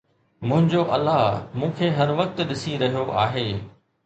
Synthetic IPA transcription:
mʊ̃ɦɪ̃ɲd͡ʑoʔɐlːaɦmũːkʰeːɦɐɾʋɐk̚t̪ɗɪsiɾɐɦijoʔa̰ːɦeː

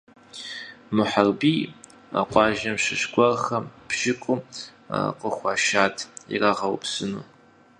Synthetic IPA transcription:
mɨħarbiː | a̰qʷɑːʒɐmɕɪɕɡʷʼɔrxɐpʒɪkʷʼʊ | a̰qəxʷɑːʃaːtʰḭraʁɐwpsɨnṵː

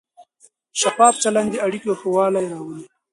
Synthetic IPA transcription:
ʃapɑːb̚t͡ʃaland̪eɐɽikoxowɑːlajɾɑːwəli

